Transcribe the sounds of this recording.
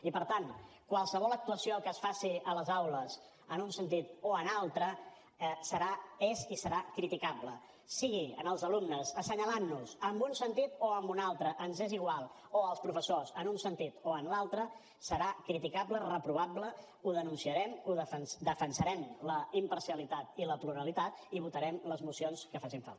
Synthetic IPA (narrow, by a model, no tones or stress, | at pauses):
ipəɾt̪ankwalˠsəβɔlˠək̚t̪uəsioəlˠkəsfasiələzawləs | ənunsənt̪it̪oənalˠt̪ɾə | səɾaezisəɾakɾit̪ikaplə | siɣiə̰nəlˠzəlumnəzəsəɲəlanːuzəmbunsənt̪it̪oəmbunalˠt̪ɾəʔənzeziɣ̞walˠ | oəlˠspɾufəsozənunsənt̪it̪oənlalˠt̪ɾə | səɾakɾit̪ikablərəpɾuβ̞ablə | uðənunsiəɾɛmuðəfənsd̪əfənsəɾɛmləimpəɾsiəlit̪at̪iləpluɾəlit̪at̪iβ̞ut̪əɾɛmləzmusionskəfas̬iɱfa̰lt̪